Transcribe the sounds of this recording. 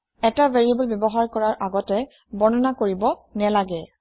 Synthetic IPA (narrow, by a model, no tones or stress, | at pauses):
ɛtaveɹiebɔlbjɔbɔɦaɹkɔɹaɹʔaɡɔtɛ | bɔnɔnakoɹibɔnɛlaɡɛ